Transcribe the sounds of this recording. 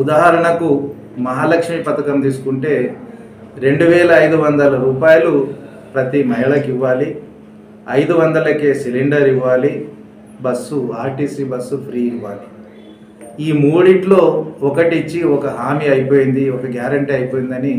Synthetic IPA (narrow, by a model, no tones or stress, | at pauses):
ud̪aːɦɐɾɐɳɐku | mɐɦaːlɐkʂmipɐt̪ɐkɐmt̪iːs̬u̥kuɳʈe̞ː | ɾe̞ɳɖuʋɛːlɐːjd̪uʋɐnd̪ɐlɐɾuːpaːjɐlu | pɾɐt̪imɐɦiɭɐkiʋːaːli | ɐjd̪uʋɐnd̪ɐlɐke̞ːsiliɳɖɐɾiʋːaːli | bɐsːuʋaːʈisibɐsːupʰɾiːiʋːaːli | iːmuːɽiʈlo̞ːɔkɐʈit͡ʃːiɔkɐɦaːmiːɐjpoːjind̪iɔkɐɡjaːɾɐɳʈiɐjpoːjind̪ɐni